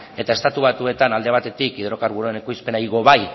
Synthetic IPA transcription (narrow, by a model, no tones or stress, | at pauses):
e̞t̪ae̞st̪at̪uβ̞at̪ue̞t̪anald̪e̞β̞at̪e̞t̪ikiðɾo̞kaɾβuɾuenekujspe̞naiɣo̞βaj